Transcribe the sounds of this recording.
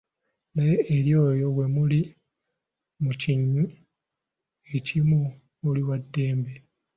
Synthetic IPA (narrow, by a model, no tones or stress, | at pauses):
najeːɾjo̞ːjo̞βwe̞muli | muciɲːu | e̞cimu | oliwadːe̞ːmbe